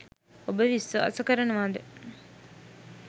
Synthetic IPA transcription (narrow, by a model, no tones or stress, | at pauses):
obəʋisːuɐ̰sɐkɐɾɐnuʋaːd̪e